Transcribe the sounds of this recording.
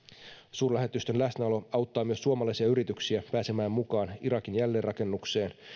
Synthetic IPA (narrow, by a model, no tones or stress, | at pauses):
suːrlæɦe̞t̪yst̪e̞nlæsnæolo̞ɑwt̪ːɑːmyø̞sːuomɑlɑjsiɑyɾit̪yksiæpæːse̞mæːmmukɑːniɾɑkinjælːeːrɑke̞nːukse̞ːn